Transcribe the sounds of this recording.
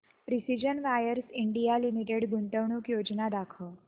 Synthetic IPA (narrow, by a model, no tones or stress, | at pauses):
pɾisid͡ʒənʋajəɾsɪɳɖijalimiʈeɖɡunʈ̪əʋɳukjod͡ʒnad̪akʰo